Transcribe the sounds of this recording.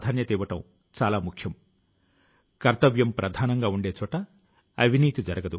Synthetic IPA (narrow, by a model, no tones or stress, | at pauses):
d̪ʱaːnjɐt̪iːʋɐʈɐ̰m | t͡ʃaːlaːmukʰjɐm | kɐɾt̪ɐʋjɐmpɾʔɐd̪ʱaːnɐŋɡaːuɳɖe̞ːt͡ʃɔːʈɐ | ɐbʱiniːt̪id͡ʒɐɾɐɡɐd̪u